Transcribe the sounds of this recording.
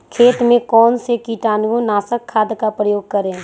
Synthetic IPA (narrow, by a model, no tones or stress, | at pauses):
kʰeːt̪mẽkɔːnsekiːʈaːnɡõnaːsəkʰːaːd̪kapɾəjoːɡ̚kəɾẽː